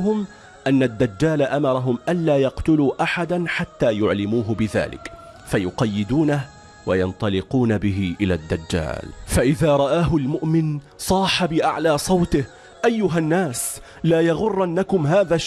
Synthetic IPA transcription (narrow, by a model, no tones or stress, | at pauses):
ɦʊm | ʔanːad̪ːad͡ʒːaːlaʔamɑɾˤɑɦʊmʔanlaːjɑqt̪ʊluːʔaħad̪anħat̪ːaːjʊʕlɪmuːɦʊbɪða̰ːlɪ̰k | fajʊqɑjːɪd̪uːnah | wajɑnt̪ˤɑlɪquːnabɪɦɪʔɪlaːd̪ːad͡ʒːa̰ːlfaʔɪðaːɾˤɑʔaːɦʊlmʊʔmɪn | sˤɑːħabɪʔa̰ʕlaːsˤɑwt̪ɪh | ʔajːʊɦanːaːs | laːjɑɣʊrˤːʔanːakʊmɦaːðaːʃ